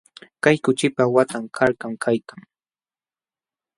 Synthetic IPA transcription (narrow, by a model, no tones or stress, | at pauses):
kajkʊt͡ʃɪpawat̪amkʰaɾkamkʰajkaŋ